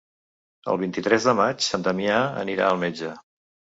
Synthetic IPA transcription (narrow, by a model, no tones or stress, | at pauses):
ə̰lˠβ̞int̪it̪ɾɛzðəmat͡ʃsant̪əmiaə̰niɾa̰əlˠmed͡ʒə